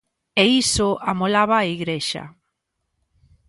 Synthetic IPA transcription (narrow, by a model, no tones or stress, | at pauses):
eisʊamolaβaːiɣɾeʃa̰